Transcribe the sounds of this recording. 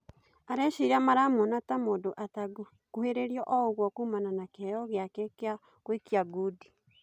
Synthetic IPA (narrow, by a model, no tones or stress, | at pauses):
aɾɛʃiɾamaɾamonatamodoʔataɡo | koheɾeɾjɔʔɔoɣwɔkuːmananakɛjɔɣeakɛkea | kwekiaɡudi